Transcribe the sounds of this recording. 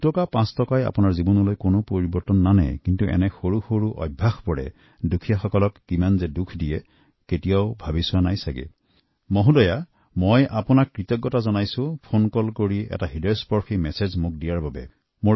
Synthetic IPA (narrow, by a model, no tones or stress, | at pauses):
tɔkapãstɔkaja̰pʊnaɹzibɔnɔlojkonopoɹibɔɹtɔnːanɛ̰kintuʔɛ̰nɛxoɹuxoɹuʔɔ̰jbʱːaxpɔɹɛ̰ | dukʰijaxɔkɔlɔkːimanzɛdukʰdijɛ | ketijaʊbʱabisʊwanajsaɡḭ | moɦudɔja | mojʔapʊnakːɹitɔɡːɔtazɔnajsʊ̃pʰonkɔlkoɹiɛ̰taɦidɔjɔspɔɹximɛsezmuk̚dijaɹbabɛ | mo